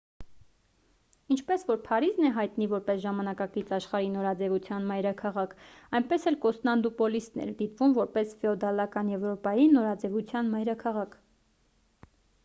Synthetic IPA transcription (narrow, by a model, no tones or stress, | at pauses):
int͡ʃʰpɛsvɔɾpʰɑɾiznɛɦɑjt̪nivɔɾpɛsʒɑmɑnɑkɑkit͡sɑʃχɑɾinɔɾɑd͡zɛvut͡sʰjɑnmɑjɾɑkʰɑʁɑkʰɑjnpɛsɛlkɔst̪nɑnd̪upɔlist̪nɛ̰ɾd̪it̪vumvɔɾpɛsfɛɔd̪ɑlɑkɑnjɛvɾɔpɑjinɔɾɑd͡zɛvut͡sʰjɑnmɑjɾɑkʰɑʁɑkʰ